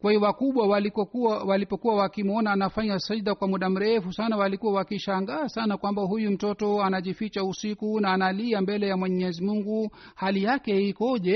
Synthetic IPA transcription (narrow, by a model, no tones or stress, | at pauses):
kwahijɔwakuɓwawaliɔuwalipɔkuwawakimɔnaːnafaɲasaiðakwamuɗam̩ɾɛfusanawalikuwawakiʃaŋɡaːsanakwambaɦujum̩tɔtɔanaʄifit͡ʃausikunaːnaliambɛlɛjamwɛɲɛzimuŋɡu | halijakɛikɔʄɛ